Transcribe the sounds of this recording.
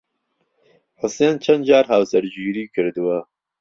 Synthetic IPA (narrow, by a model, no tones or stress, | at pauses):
ħɨseːnt͡ʃʰɛnd̪d͡ʒaːɾɦawsɐɾd͡ʒiːɾiːkʰɨɾd̪ɨwɐ